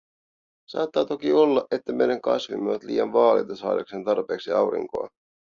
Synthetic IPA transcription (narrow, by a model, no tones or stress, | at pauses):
sɑ̰ːt̪ːɑːt̪o̞kio̞lːɑʔe̞t̪ːæme̞jɾɑŋkɑ̰svimːeʋɑt̪lḭːjɑnʋɑːlejt̪ɑsɑ̰ːdɑkse̞nt̪ɑrpe̞ːksiɑwɾḭŋko̞̰ɑ